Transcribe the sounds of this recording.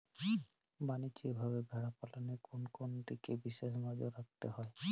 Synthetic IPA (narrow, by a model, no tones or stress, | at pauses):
banit͡ʃikbʱaβebʱɛɹapalanekonkond̪ikebisesmad͡ʒɔɾak̚t̪eɦɔj